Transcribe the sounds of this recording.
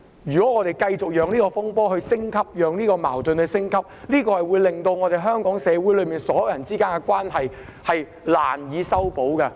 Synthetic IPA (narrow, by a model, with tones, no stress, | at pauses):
jyː˨˩kɔː˨˦˥ŋɔː˨˧ɾe˨˩jkɐ˧jt͡sʊ˨k̚jœː˨˧ŋniː˥kɔ˧fʊ˥ŋpɔː˥hɵ˧ɥsɪ˥ŋkʰɐ˥p̚jœː˨ŋniː˥kɔː˧ma̰ː˨˩wt̪ɵ˨nhɵ˧ɥsɪ˥ŋkʰɐ˥p̚liː˥kɔː˧hɐ˨jwuː˨˧jlɪ˨ŋt̪o˧wŋɔː˨˧ɾe˨jɦœː˥ŋkɔː˨˥ŋsɛː˨˧wu˨˥jlɵ˨˧miː˨nsɔː˨˥jwjɐ˨˩nt͡siː˥kaː˥nkɛ˧kwaː˥nɦɐ˨jhɐ˨j | la̰ː˨˩njiː˨˧sɐ˥wpo˨˥wkɐ˧